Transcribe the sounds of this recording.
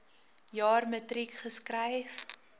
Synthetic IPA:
jɑːrmətrikχəskrɛjf

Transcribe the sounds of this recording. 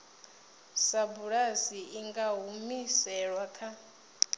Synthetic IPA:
sabuɺasiiŋɡaɦumisɛɺwakʰa

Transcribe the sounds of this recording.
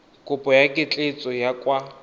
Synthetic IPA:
kʼʊpʼɔjakʼɪt͡ɬʼet͡sʼɔjakʼwa

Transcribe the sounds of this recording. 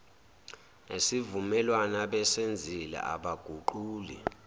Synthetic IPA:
nesivumɛlwanaɓɛsend͡zʱilɛ̰ʔa̰ɓaɡ̥ʱuǃuːli

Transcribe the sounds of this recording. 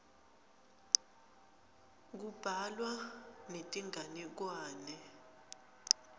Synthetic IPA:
k̬ub̥ʱalwanetʼiŋʱanik̬waːnɛ

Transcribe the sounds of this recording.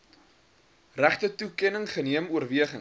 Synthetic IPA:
ræχtətukɛnəŋχəniəmuərviəχəŋ

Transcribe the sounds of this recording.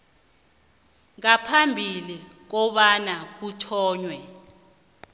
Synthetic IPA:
ŋapʰambʱilik̬ɔɓanak̬utʰɔːɲwɛ

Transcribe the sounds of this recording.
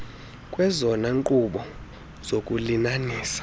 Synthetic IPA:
kʼwɛzɔnaŋǃuɓɔ | z̥okʼulinaniːsḁ

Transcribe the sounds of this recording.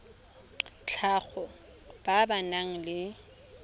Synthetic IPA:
t͡ɬʰaɣɔ | b̥abanaŋ̩lɪ

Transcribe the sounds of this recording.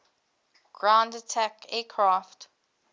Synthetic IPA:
ɡ̥ɹãndətʰækɛːkʰɹaft

